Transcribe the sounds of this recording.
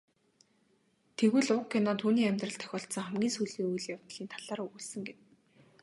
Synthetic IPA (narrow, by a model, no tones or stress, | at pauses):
t̪ʰeɣɘ̆ɮʊkʰːenɔt̪ʰuːniːæmʲt̪rə̆ɬt̪ʰœ̥xʲɔːɬt̪sɞ̆ŋχæmɡʲiːnsujɮiːŋujɮːjawt̪̆ɮ̥iːnt̪ʰaɮaːɾɵɣuːɮsə̆ŋɡet̪̚